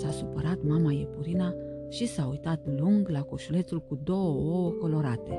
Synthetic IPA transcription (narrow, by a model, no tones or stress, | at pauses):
sasupəɾat̪mamajepuɾina | ʃisaujt̪at̪luŋɡlako̞ʃule̞t̪sulkud̪o̞wəowəko̞lo̞ɾat̪e̞̰